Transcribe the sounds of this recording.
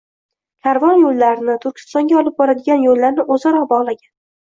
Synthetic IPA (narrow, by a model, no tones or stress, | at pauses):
kʲʰaɾvɒnjolˠːaɾnɪt̪ʰʊɾkʲʰɪ̥st̪ɒŋɡʲaɒlˠɪp̚bɒɾad̪ɪɡʲanjolːaɾnɪʔɵzaɾɒbɒʁlˠaɡʲan